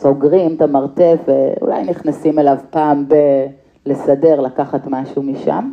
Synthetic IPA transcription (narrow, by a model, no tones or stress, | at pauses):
soɡʁimt̪amaʁt̪e̞feṵla̰jniχnasimelavpaːmbe | lesade̞ʁlakaχat̪maʃumiʃa̰m